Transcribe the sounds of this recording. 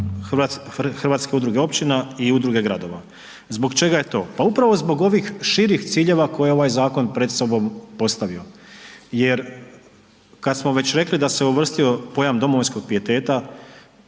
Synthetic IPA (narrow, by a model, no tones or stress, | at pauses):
xr̩ʋaːt̪ske̞ud̪ɾuɡe̞o̞pt͡ɕinaiud̪ɾuɡe̞ɡɾad̪o̞ʋa | zbo̞ɡt͡ʃe̞ɡaje̞t̪o̞̰ːpaupɾaʋo̞zbo̞ɡo̞ʋixʃiɾixt̪siːʎe̞ʋako̞jeo̞ʋajzaːko̞npɾe̞d̪so̞bo̞mpo̞st̪aʋio̞je̞ɾ | kad̪smo̞ʋe̞t͡ɕɾe̞klid̪ase̞uʋr̩st̪io̞po̞jamd̪o̞moʋojnsko̞ɡ̚pɾije̞t̪e̞ːt̪a